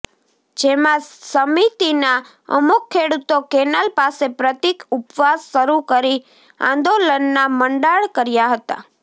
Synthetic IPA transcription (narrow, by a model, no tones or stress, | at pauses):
d͡ʒemãsəmit̪ina | ə̰mukʰːeɽut̪okenalpasepɾət̪ikupʋasːəɾukəɾi | ã̰nd̪olənːaməɳɖaɭkəɾjaɦət̪a̰